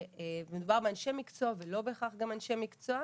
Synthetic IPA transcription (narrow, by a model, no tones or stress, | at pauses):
emed̪ubaʁbeanʃe̞mikt͡soavelo̞beχaχɡamanʃemikt͡soa